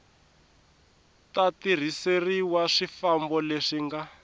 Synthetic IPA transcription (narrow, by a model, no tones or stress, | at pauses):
tatir̤iseriwaʂifambɔleʂiŋɡa